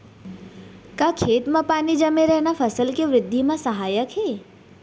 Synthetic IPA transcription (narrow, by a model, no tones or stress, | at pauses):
kakʰeːt̪mãpaːnid͡ʒəmeɾɛɦnafʰəsəlkeʋɾɪd̪ʱːimãsəɦaːjəkɦɛː